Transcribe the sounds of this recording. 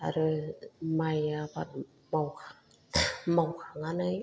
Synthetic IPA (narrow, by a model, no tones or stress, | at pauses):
a̰ɾɯmajaba̰t̚ | mawkʰa | mawkʰaŋanaj